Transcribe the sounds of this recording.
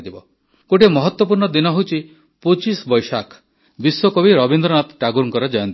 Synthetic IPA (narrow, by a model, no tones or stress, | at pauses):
d̪ibɔ | koʈ̬emɔɦɔt̪wɔp̬uɾɳɔd̪inɔɦowt͡ʃʰi | pot͡ʃisbɔjsakʰ | bisːɔkɔbiɾɔbind̪ɾɔnat̪ʈaɡuɾŋkɔɾɔd͡ʒajɔnt̪